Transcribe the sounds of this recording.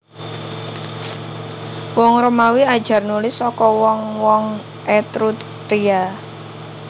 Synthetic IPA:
wɔŋɾəmawiad̥ʒ̥a̤rnulɪsɔkɔwɔŋwɔŋ | ʔɛt̪ɾut̪ | ɾia

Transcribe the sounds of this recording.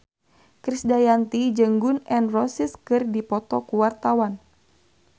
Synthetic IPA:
kɾisdajant̪id͡ʒəŋɡunɛnrɔsiskɨrdipɔt̪ɔkuwart̪awan

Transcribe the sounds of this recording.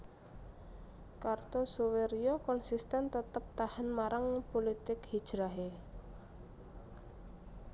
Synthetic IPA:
kart̪ɔsuweɾiokɔnsist̪ɛnt̪ət̪əp̚t̪ahanmaɾʔaŋpolit̪ɪkhid̥ʒ̥ɾaɦe

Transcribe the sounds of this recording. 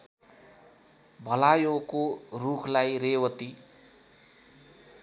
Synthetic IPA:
bʱʌlajokorukʰlajrewʌt̪i

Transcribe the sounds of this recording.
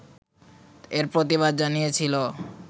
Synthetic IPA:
eɾpɾot̪iβad̪̚d͡ʑanijet͡ɕʰilo

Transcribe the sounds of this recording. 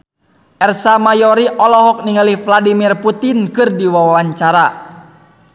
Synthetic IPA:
ʔɛrsamajɔɾiʔɔlɔɦɔk̚niŋalihfladimirput̪inkɨrdiwawaɲt͡ʃaɾa

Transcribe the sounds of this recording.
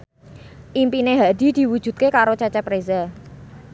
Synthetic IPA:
ʔimpineɦad̥i̤d̪̥i̤wud̥ʒ̥ṳt̪̚kekaɾot͡ʃat͡ʃapɾeza

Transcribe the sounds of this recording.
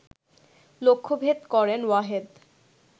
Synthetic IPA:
lokʰːobʱet̪kɔɾenwaɦed̪

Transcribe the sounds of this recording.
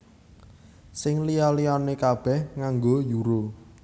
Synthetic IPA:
sɪŋlijɔlijɔnekab̥ɛ̤hŋaŋɡojuɾo

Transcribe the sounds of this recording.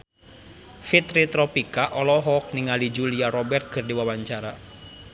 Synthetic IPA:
fit̪ɾit̪ɾɔpikaʔɔlɔɦɔk̚niŋalid͡ʒuliaɾɔbɛrt̪̚kɨrdiwawaɲt͡ʃaɾa

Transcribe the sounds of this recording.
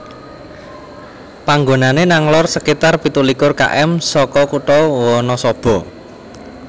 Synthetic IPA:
paŋɡonanenaŋlɔrsəkit̪arpit̪ulikʊrka̰ʔɛmsɔkɔkuʈɔwwɔnɔsɔb̥ɔ̤

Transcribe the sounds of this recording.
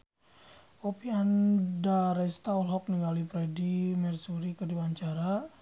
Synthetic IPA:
opiandaɾɛst̪aɔlɦɔk̚niŋɡalipɾɛdimɛrsuɾikərdiwaɲt͡ʃaɾa

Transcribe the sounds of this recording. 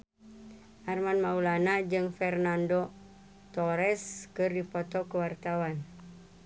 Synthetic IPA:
ʔarmanmaulanad͡ʒɨŋfɛrnando | t̪ɔɾɛskɨrdipɔt̪ɔkəwart̪awan

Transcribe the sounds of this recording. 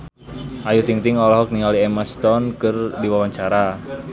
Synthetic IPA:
ʔajut̪iŋt̪ɪŋɔlɔɦɔk̚niŋaliɛməst̪ɔnkɨrdiwawaɲt͡ʃaɾa

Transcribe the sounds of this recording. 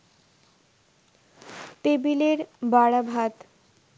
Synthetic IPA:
t̪ebileɾbaɽabʱat̪

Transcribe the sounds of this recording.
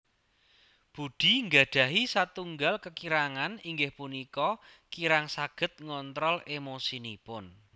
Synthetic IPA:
b̥ṳɖ̪̥i̤ŋɡaɖ̪̥ä̤ɦisat̪uŋɡalkəkiɾaŋaniŋɡɪhpunikɔkiɾaŋsaɡ̥ə̤t̪̚ŋɔnt̪ɾɔlemosinipʊn

